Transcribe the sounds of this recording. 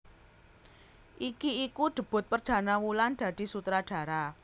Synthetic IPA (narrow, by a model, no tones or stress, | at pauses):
ʔikiikuɖ̪̥ə̤b̥ʊ̤t̪̚pərd̪̥ä̤nawuland̪̥ä̤d̪̥i̤sut̪ɾaɖ̪̥ä̤ɾa